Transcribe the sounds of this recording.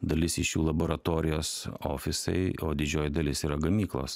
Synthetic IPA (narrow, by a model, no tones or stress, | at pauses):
d̪ɐlʲɪsɪʃjuːlˠɐboːɾɐt̪oːɾʲɪjoːso̰ːfʲɪsɐ̰ɪoːd̪ʲɪd͡ʒʲoːjd̪ɐlʲɪsiːɾɐɡɐmʲiːklˠo̰ːs